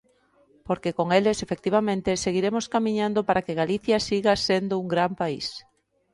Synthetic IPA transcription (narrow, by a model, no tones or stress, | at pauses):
poɾkekoŋelesefek̚t̪iβamẽnt̪eseɣiɾemoskamĩɲãnd̪opaɾakeɣaliθjasiɣasend̪ʊuŋɡɾampaḭs